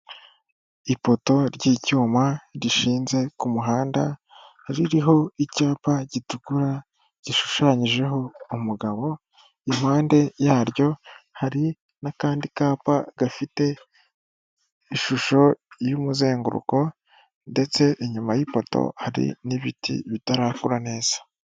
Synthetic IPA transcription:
ipo̞to̞ɾɟiːcuːmaɾiʃiːnze̞kumuɦaːnda̰ | hɾiɾiɦo̞icaːpaɟitukuɾa | ɟ̥iʃu̥ʃaɲiʒe̞ɦo̞umuɡaβo̞ | im̥haːnde̞jaːɾjo̞haɾi | nakaːndikaːpaɡ̥afite̞ | iʃuʃo̞jumuze̞ːŋɡṵɾṵko̞ | nde̞t͡se̞ʔiɲumajipo̞to̰haɾḭniβitʰḭβitaɾaːkuɾane̞ːz̥a

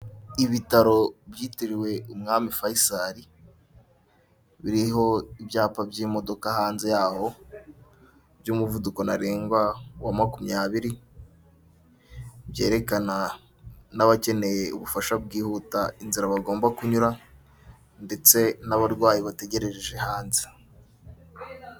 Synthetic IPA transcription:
iβitaɾo̞bjiːtiɾiwe̞ʔumŋaːmifajisaɾi | βiɾiɦo̞ibjaːpabjimo̞do̞kahaːnze̞jaːho̞ | bjumuvuduko̞na̰ɾeːŋɡwawamakumijaβiɾi | bje̞ːɾe̞kana | naβace̞ne̞jeuβufaʃab̚ɡiːhutainziɾaβaɡo̞ːmbakuɲuɾa | nde̞t͡se̞naβaɾɡwaːjiβate̞ɟe̞ɾe̞ɾeʒe̞haːnze̥

